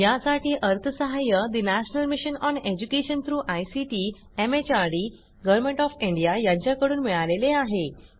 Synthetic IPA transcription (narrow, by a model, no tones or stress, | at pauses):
jasaʈiːʔəɾt̪ʰəsəɦajəd̪inæɕənəlmiɕənɔned͡ʑukeɕənt̪ʰɾuːʔajsiʈiː | emet͡ɕaɾɽi | ɡəʋɾmẽɳʈɔfiɳɖijajãɲt͡ɕjakəɽuːnmiɭaleleaɦe